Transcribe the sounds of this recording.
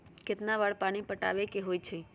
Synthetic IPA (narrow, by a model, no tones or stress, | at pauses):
ket̪naʋaɭpaɽ̃ipəʈa̰ʋekeɦojt͡ʃʰe